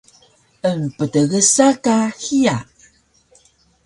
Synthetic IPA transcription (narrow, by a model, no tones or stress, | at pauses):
ənpədəɣəsakaxija